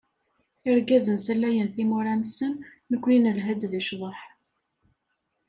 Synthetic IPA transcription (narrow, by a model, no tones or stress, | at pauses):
ɪɾɡæzənsəlːæjənθimʊɾænsənː | əkʷːninəlɦæd̪ðiʃðˤəħ